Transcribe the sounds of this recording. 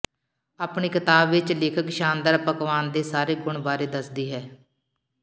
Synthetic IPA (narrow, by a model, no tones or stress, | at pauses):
aːpɳiːkɪt̪aːbʋɪt͡ʃlɪːkʰəkʃaːnd̪əɾpəkʋaːnd̪eːsaːɾeːɡʊɳbaːɾeːd̪əsd̪iːɦɛː